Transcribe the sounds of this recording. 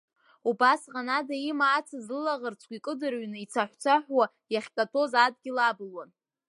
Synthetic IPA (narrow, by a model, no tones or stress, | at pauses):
ubasʁanadaimaːt͡sʰazlɨlaʁərt͡sʰkʲʷikʼɨdɨrɥnɨit͡sʰaħʷt͡sʷʰaħʷwa | jaχʲkʲʼatʰo̞zad̚ɡʲilabɨlwan